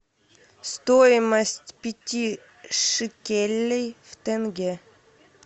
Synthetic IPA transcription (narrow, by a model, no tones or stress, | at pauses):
st̪oɪməsʲtʲpʲɪtʲi | ʂɨkʲelʲːejft̪ɛnɡʲe